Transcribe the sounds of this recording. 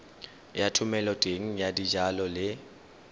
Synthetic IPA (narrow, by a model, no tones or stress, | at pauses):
jatʰʊmɛlɔtʼeŋ̩jadid͡ʒalɔlɪ